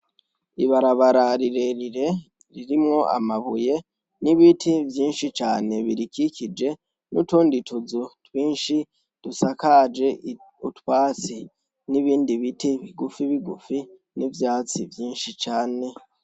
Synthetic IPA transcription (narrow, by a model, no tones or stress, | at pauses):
iβaɾaβaɾaɾiɾe̞ɾiɾe̞ | ɾiɾimŋo̞ʔa̰maβuje̞ | niβitʰivjiːnʃit͡ʃaːne̞βiɾikikid͡ʒe̞ | nutuːnditʰuzutwiːnʃi | d̥usakad͡ʒe̞ | utwaːt͡si | niβiːndiβitiβiɡufiβiɡufi | nivjaːt͡sivjiːnʃit͡ʃaːne̞